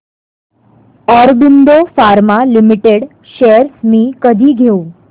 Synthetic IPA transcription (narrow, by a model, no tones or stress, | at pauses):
ɔɾbind̪ofaɾmãlimiʈeɽ | ʃeɾsmĩkəd̪ʱiɡʱeũ